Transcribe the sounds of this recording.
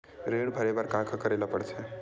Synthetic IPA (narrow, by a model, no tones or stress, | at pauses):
ɾeɽbʱəɾebaɾkãkʰkəɾelapəɽse